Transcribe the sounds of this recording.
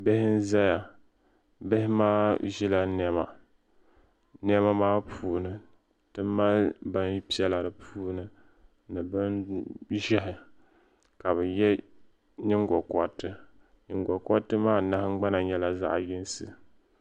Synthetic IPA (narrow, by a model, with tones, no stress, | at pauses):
bɪ˦hɪ˦n̩˦za˦ja˨ | bɪ˦hɪ˦maː˦ʒi˦la˨n˦ɛ˦ma̰˨ | n˦ɛ˦ma˦maː˦pʰuː˦˨nɨ˨ | tɨ˦ma˦lba˦n˦pi˦ɛ˦la˨ɾɨ˨pʰuː˦nɨ˦ | nɨ˨bɨ˦nʒɛ˦ɦɪ˨ | ka˨βɨ˨jɛ˦ | ɲɨ˦ŋɡɔ˨kɔ˦tɨ˦ | ɲɪ˨ŋɡɔ˨kɔ˦tːɨ˦maː˦na˦hɪ˦ŋ͡m̩˦ɡ͡ba˦na˨ɲɛ˦la˨za̰˦ʔjɪ˦nsɨ˨